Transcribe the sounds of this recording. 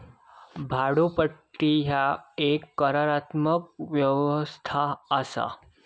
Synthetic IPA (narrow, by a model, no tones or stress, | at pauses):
bʱaɽopəʈːiɦjaekːəɾaɾat̪mək̚ʋjəʋəst̪ʰaəsa̰